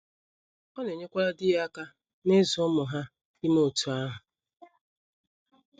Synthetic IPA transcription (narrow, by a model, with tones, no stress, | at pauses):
ɔ˦ne˨ɲe˦kʷa˦ɾa˦dɪ˦ja˦ka˦ | ne˦zɔ˦mʊ˨ɦa˦ | i˦mo˦˨tu˨a˦ɦʊ˨